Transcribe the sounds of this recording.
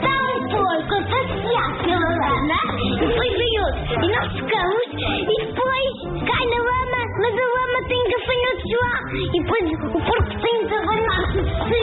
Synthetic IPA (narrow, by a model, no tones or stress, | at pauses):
t̪aũpoɾkɐpɐsiaɾsɛlˠɐlɐnɐifojβɐjot̪inɔʃfu̥kɐmuʃiðɨpojʃ | kajnɐwɐmɐmɐzɐɐmɐt̪ɐ̃j̃kɐfɐɲot̪ʒuɐiðɨpojzupoɾku̥t̪ẽj̃t̪ɐβɐʎaɾt̪uðsɨ